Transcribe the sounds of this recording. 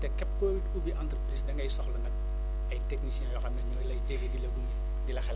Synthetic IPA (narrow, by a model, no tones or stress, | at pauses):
tɛkɛp̚kɔjtubiʔant̪rəpɾisdɐŋɡɐjsɔxlɐnɐk̚ | ɐjteknisjɛ̃jɔxɐmɛɲɔjlɐjdebedilɐɡuni | dilɐxɛl